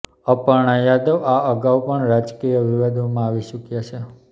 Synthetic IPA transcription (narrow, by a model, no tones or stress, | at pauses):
əpəɾɳ̃ajad̪oʋaʔəɡaʋupəɳɾad͡ʒkijəʋiʋad̪ʱomãaʋiʃukjat͡ʃʰe